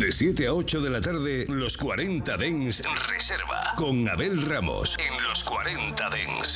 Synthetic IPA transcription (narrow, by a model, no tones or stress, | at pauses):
d̪e̞sje̞t̪eao̞t͡ʃo̞ðe̞lat̪aɾðe̞lo̞skwaɾe̞nt̪aðeŋsrḛseɾβa̰ko̞ŋa̰βe̞lramo̞̰senlo̞skwaɾent̪aðḛŋs